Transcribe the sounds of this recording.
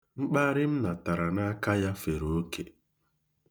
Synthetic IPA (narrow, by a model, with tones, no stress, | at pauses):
ŋ͡m̩˦k͡pa˦ɾɪ˦m̩˦na˨ta˨ɾa˨na˦ka˦ja˦fe˨ɾo˨o˦kʰḛ˨